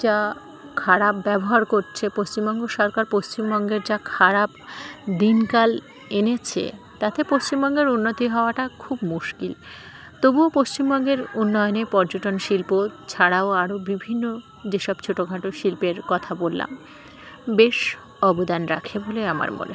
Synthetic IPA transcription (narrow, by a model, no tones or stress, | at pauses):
d͡ʑa | kʰaɾapbɛboɦaɾkoɾt͡ɕʰepost͡ɕimbɔŋɡoʃɔɾkaɾpost͡ɕimbɔŋɡeɾd͡ʑakʰaɾapd̪inkal | enet͡ɕʰḛ | t̪at̪epost͡ɕimbɔŋɡeɾunːot̪iɦɔoaʈakʰubmuʃkil | t̪obuopost͡ɕimbɔŋɡeɾunːɔjonepɔɾd͡ʑoʈonʃilpot͡ɕʰaɽaoaɾobibʱinːo | d͡ʑeʃɔb̚t͡ɕʰoʈoɡʱaʈoʃilpeɾkɔt̪ʰabolːa̰m | beʃ | ɔbod̪anɾakʰeboleama̰ɾmo̰ne